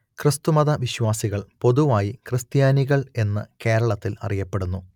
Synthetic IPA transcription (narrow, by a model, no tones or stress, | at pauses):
krɨst̪umɐðɐʋiɕʋaːsiɣɐɭpo̞ðuʋaːjikrɨst̪jaːniɣɐɭe̞nːɨke̞ːɾɐɭɐt̪ːilɐ̰rijɐpːe̞ɽunːu